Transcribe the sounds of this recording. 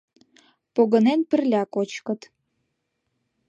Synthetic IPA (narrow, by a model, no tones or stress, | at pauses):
poɣə̆nenpə̆rlʲɑkot͡ɕkə̆t̪